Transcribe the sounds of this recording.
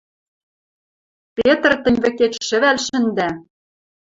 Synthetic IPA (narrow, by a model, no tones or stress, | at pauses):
pʲet̪rt̪ɘ̆nʲβɘ̆ket͡ɕʃɘ̆βælʃɘ̆nd̪æ